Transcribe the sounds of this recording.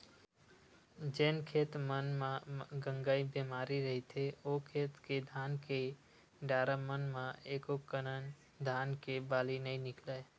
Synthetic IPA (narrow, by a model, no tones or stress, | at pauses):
d͡ʒeːnkʰeːt̪mənmãɡə̃ŋɡaibemaːɾiɾəɦit̪ʰeokʰet̪ked̪ʱaːnke | ɖaɾəmənmãekokənən | d̪ʱaːnkebaːlinəinɪkləj